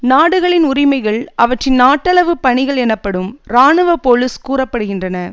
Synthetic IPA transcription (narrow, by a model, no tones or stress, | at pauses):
naːɽɯɣɐɭɪnʊrɪmɐɪɣɐɭɐʋɐʈrɪnnaːʈːɐlɐʋɯpɐɳɪɣɐɭɛnɐpːɐɽɯmɾaːɳɯʋɐpoːlɯskuːrɐpːɐɽɯɣɪndrɐnɐ